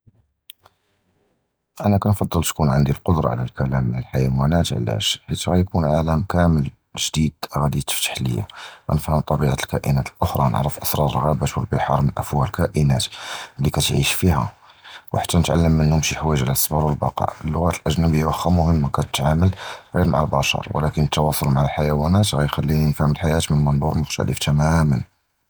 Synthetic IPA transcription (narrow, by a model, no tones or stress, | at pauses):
ʔænækɑnfɑd̪ˤːəlt̪kunʕənd̪ilqod̪ɾˤɑ̰ʕlælkælæməlħajwænæt̪ʕ̰læ̰ʃħit̪ɣæjkunʕaləmkæməl | ʒd̪id̪ɣæd̪it̪ə̥ft̪ə̥ħlə̰jːa̰æ̰nəfhəmt̪ˤɑbiʕat̪lkæʔənæt̪əlʔʊxɾˤɑnə̰ʕɾəfʔɑsˤɾˤɑɾˤərɣæbæʃwulbəlħɑɾˤmənʔæfwælkæʔənæt̪lːikæt̪ʕiʃfihæ̰ | wħḁt̪ːænət̪ʕa̰lːəmːənhʊmʃiħwæəʒʕlæsbɑɾˤwəlbɑqɑ̰ʕəlːʊɣæt̪əlʔæʒnæbəjːawʔəxæmʊhəmːkæt̪ət̪ʕaməlɣiɾma̰ʕalbɑʃɑ̰ɾˤwə̰lækənːət̪ːɑwɑsˤolmaʕalħajæwænæt̪ɣæjxælːiinfhəməlħajæt̪mənəmənd̪ˤuɾmʊxt̪æ̰lə̰ft̪ʰæmæmən